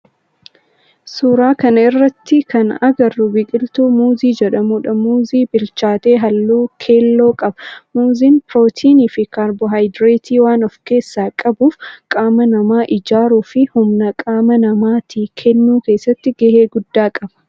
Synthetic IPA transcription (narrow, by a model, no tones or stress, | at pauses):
suːɾaːkɐnɐɪrːɐt̪ːɪkɐnɐɡɐrːʊbɪkʼɪlt̪uːmuːziːd͡ʒɛᶑɐmuːᶑɐmuːziːbɪlt͡ʃaːt̪e̞ːɦɐlːuːkʰeːlːo̞ːkʼɐb̥ɐmuːziːnpɪɾoːt̪ʰiːniːfɪkaːɾbɔɦɐjd̪ɾet̪ʰiːwaːnɔfke̞ːsːaːkʼɐbuːfkʼaːmɐnɐmaːʔɪd͡ʒaːɾuːfɪhʊmnɐkʼaːmɐnɐmaːt̪ʰiːkʰɛnːuːke̞ːsːɐt̪ːɪɡɛheːɡʊd̪ːaːkʼɐb̥ɐ̥